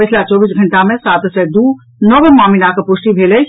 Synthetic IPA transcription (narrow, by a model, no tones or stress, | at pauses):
ɐt͡ʃʰlat͡ʃɔːbiːsɡʱɐ̃ɳʈamẽsaːt̪sɛd̪uː | nɔʋəmaːminakepʊʃʈibʱeːle